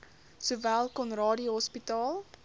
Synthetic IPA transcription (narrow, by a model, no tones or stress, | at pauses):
suvælˠkɔnrɑːdiɦɔspitɑːlˠ